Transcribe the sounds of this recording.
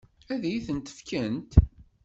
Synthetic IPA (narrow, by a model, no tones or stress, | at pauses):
æðæjiθənt̪ə̥fkænt̪